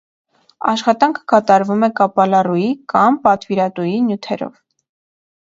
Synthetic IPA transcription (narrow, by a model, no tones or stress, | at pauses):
ɑ̰ʃχɑt̪ɑŋkʰə̥kɑt̪ɑɾvumɛkɑpɑlɑrujikɑmpɑt̪viɾɑt̪ujinjut̪ʰɛɾɔ̰v